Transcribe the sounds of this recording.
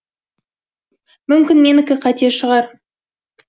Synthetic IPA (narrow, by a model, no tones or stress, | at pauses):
mʏmkʲɪnmenɪkʲɪqʰɑt̪ieʃəʁɑɾ